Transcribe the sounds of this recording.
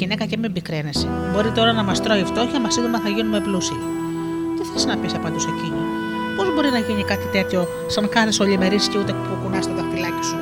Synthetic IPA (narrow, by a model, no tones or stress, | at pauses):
ine̞kɐce̞mimbikɾenese | bo̞ɾit̪o̞ɾɐnɐmɐst̪ɾo̞ift̪o̞çɐmɐsiðumɐθɐʝinumeplusii | t̪eθeliznɐpisɐpɐnd̪useci | po̞zbo̞ɾinɐʝinikɐt̪it̪e̞t̪ço̞ | sɐŋkɐθesoʎime̞ɾisceut̪epukunɐst̪et̪oxt̪ilɐci̥su